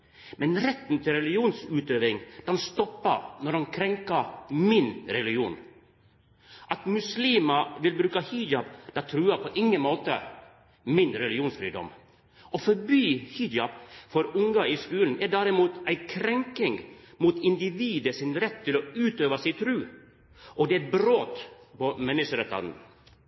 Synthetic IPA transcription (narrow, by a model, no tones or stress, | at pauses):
mɛnɾɛt̪ːn̩t̪ʰɪlɾɛlɪɪuːnsʉːt̪øːʋɾɪŋd̪ɑnst̪ɔpːə̰nɔɾhɑnkʰɾɛŋkəmɪnɾɛlɪɡuːn | ʔɑt̪mʉsliːməʋɪlbɾʉːkəhiːd͡ʒɑpd̪̥ɑt̪ʰɾʉːəpʰɔʔɪŋːənmoːt̪ə̰ | mɪnɾɛlɪɡɪuːnsfɾḭːd̪ɔ̰m | ʔɔfɔbiːhid͡ʒ̪ɑpfɔɾʊŋəɪskʉːln̩ɛd̪æɾɪmuːt̪æɪkʰɾɛŋkɪŋmuːt̪ɪnd̪ɪʋiːd̪əsɪnɾɛt̪ʰːɪlɔʉːt̪øːʋəsɪt̪ʰɾʉː | ʔɔd̪ɛɛt̪̚bɾoːt̪pɔmɛnːɪʂəɾɛt̪ʰɑ̰d̪n̩